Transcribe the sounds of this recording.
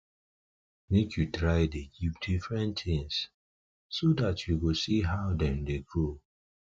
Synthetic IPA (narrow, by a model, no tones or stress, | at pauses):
nekjutɾaɪdeɡip̚difɹɛ̃ntɪ̃ŋs | sodatjuɡosiɦaʊdɛ̃mdeɡo